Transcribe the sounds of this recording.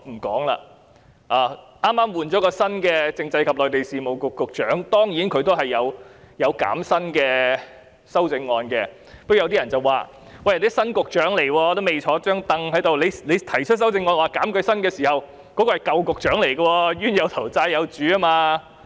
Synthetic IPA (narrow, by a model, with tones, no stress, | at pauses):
m̩˨˩kɔː˨˥ŋla̰ː˧ | ʔaː˨˩ | ʔaː˥mːaː˥mwuː˨nt͡ʃɔː˨˥kɔː˧sɐ˥nkɛː˧t͡sɪ˧ŋt͡sɐ˧jkʰɐ˨p̚lɔː˨jt̪e˨jsiː˨mo˨wkʊ˨kːʊ˨k̚t͡ʃœː˨˥ŋt̪ɔː˥ŋjiː˨˥nkʰɵ˨˧ɥt̪o˥wɦɐ˨jːɐ˨˧w | jɐ˨˧wka̰ː˨˥msɐ˥nkɛː˧ | sɐ˥wt͡sɪ˧ŋːɔː˧nkɛ˧ | pɐ˥jwt̪i˥ɐ˨˩nt͡sɐ˨waː˨˩ | wɐ˧jle˨˥sɐ˥nkʊ˨k̚t͡ʃœː˨˥ŋle˨˩jwɔː˧t̪o˥me˨˩jt͡ʃʰɔː˨˧˥t͡ʃœː˥ŋt̪ɐ˧ŋɦɐ˨˥jt̪o˨wle˨˧jle˨˧jt̪ʰɐ˨˩jt͡ʃʰɵ˥t̚sɐ˥wt͡sɪ˧ŋːɔː˧nwaː˨˩kaː˨˥mkɵ˧sɐ˥nkɛː˧siː˨˩hɐ˨w | kɔː˨˥kɔː˧hɐ˨jkɐ˨˧wkʊ˨k̚t͡ʃœː˨˥ŋle˨˩jɡɐ˧wɔː˧ɥyː˥njɐ˨˧wt̪ʰɐ˨˩wt͡saː˧jːɐ˨˧wt͡ʃyː˨˥a˥maː˧